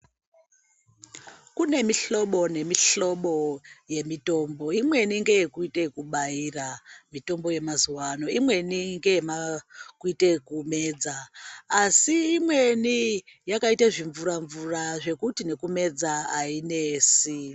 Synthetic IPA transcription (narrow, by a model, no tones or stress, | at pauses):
kune̞miɬo̞ɓo̞ne̞miɬo̞ɓo̞je̞mito̞mbo̞imwe̞niŋɡe̞jekuite̞kuɓairamito̞mbo̞je̞mazuwano̞imwe̞niŋɡe̞jemakuite̞kume̞ːd͡zaː | siːmwe̞nijakaitaʐiɱvuɾaɱvuraʐe̞kutine̞kume̞d͡zaaineːsi